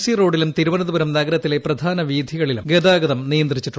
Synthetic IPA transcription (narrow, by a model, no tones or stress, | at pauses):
siro̞ːɽilumt̪iɾuʋɐnɐðubɐɾɐmnɐɡɐɾɐt̪ːile̞prɐd̪ʱaːnɐʋiːd̪ʱiɣɐɭilṵmɡed̪aːɡɐðɐmnijɐnd̪rit͡ɕːiʈː